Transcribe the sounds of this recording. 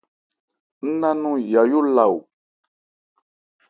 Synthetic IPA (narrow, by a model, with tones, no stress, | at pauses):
n̩˦nã˦nũ˦ja˨jo˦la˨wu˨